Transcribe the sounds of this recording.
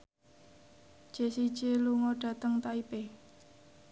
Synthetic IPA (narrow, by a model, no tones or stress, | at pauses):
ʒ̥e̤sid̥ʒ̥eluŋɔɖ̥ä̤t̪əŋt̪aipe